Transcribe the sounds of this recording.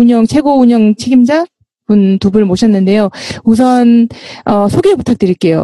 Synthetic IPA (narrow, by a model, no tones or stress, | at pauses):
uɲʌŋt͡ɕʰe̞ɡouɲʌŋt͡ɕʰeɡimd͡ʑa | puntubɯɭmoɕʰʌnːɯnde̞jous̬ʰʌnʌsʰoɡeputʰak̚t͈ɯɾiɭk͈e̞jo̰